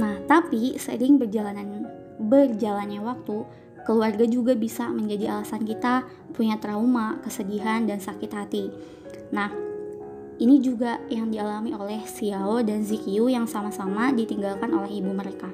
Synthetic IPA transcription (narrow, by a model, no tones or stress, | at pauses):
naht̪apisə̰ɾɪŋbərd͡ʒalanan | bərd͡ʒalanɲawak̚t̪u | kəluarɡad͡ʒuɡabisaməɲd͡ʒadialasankit̪a | puɲat̪əɾaumakəsədiɦandansakɪt̪hat̪i | nah | inid͡ʒuɡajaŋdialamiʔolɛhsiaodanzikiujaŋsamasamadit̪iŋɡalkanolɛɦibuməɾeka